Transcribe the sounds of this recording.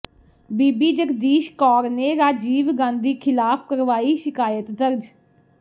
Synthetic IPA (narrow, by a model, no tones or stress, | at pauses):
biːbiːd͡ʒəkd̪iːʃkɔːɾneːɾaːd͡ʒiːʋɡãːnd̪iːkʰɪlaːpʰkəɾʋaːiːʃɪkaːjət̪d̪əɾd͡ʒ